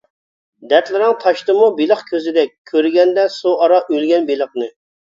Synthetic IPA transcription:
d̪ɛt̪lɪɾɪŋt̪ʰɑʃt̪ɨmubilˠəχkʲʰøzɪd̪ɛk̚ʲʰːøɾɡʲɛnd̪ɛsuʔɑɾɑʔølɡʲɛnbilˠəqnɨ

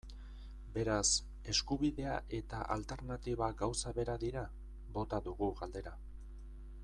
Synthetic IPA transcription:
be̞ɾas | e̞skuβiðe̞aʔe̞t̪aʔalt̪e̞ɾnat̪iβaɡawsaβe̞ɾaðiɾa | bo̞t̪aðuɣuɣald̪e̞ɾa

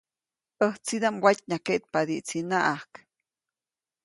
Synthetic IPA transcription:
əht͡sid̪amwacʲɲakeʔt̪̚pad̪iʔt͡sinaʔahk

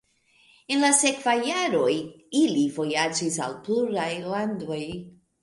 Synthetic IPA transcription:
enlase̞kvajːaɾo̞j | ilivo̞jad͡ʒisa̰lpluɾajlando̞j

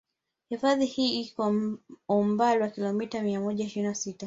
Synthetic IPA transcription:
hifaðihiːikɔɔmbalwakilɔmitamiamɔʄaiʃiɾinasita

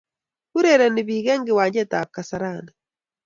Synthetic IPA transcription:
kuɾeɾaniβiːɣeːŋɡiwaːɲɟetaːkasaɾana

